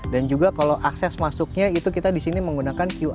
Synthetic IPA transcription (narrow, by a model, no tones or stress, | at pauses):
dand͡ʒuɡakaloʔaksɛsmasuk̚ɲait̪ukit̪adisiniməŋɡunakankju